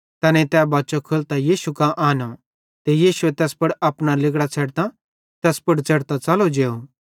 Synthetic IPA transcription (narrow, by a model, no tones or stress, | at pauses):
t̪ɐnẽt̪ɛːbaːt͡ʃokʰʊlt̪ajiːsukãʔaːno | t̪ejiːsuet̪ɛːspɐɽɐpɽ̃alɪɡɽat͡sʰɛːɽt̪ã | t̪ɛːspʊɽt͡sʰɛɽt̪at͡sɐlod͡ʒeːo